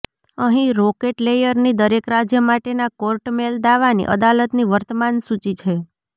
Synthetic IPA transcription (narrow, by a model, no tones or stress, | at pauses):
əɦĩɾokeʈlejəɾnid̪əɾekɾad͡ʒjəmaʈenakoɾʈmeld̪aʋanḭʔə̰d̪alət̪niʋəɾt̪əmansut͡ʃit͡ʃʰe